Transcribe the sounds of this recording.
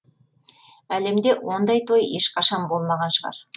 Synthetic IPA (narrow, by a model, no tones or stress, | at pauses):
æle̞md̪e̞wo̞nd̪ɑjt̪ʰojeʃqʰɑʃɑnbo̞lˠmɑʁɑnʃəʁɑ̰ɾ